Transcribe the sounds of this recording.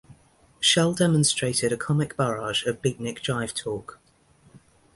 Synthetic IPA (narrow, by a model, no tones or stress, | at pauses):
ʃɛlˠdɛmə̃nstɹ̥eɪtʰɪɾəkʰɒmɪkb̥əɹɑːʒəvbiˑʔnɪkd̥ɹaɪv̥tʰɔˑk